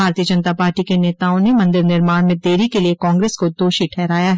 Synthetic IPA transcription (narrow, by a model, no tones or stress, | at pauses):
aːɾt̪ijəd͡ʒə̃nt̪apaːɾʈikeneːt̪aːõnemɐ̃nd̪ɪɾnɪɾmaːɽ̃mẽd̪eːɾikeliekɔ̃ːŋɡɾeːskod̪oːʃiʈʰɛːɾaːjaɦɛ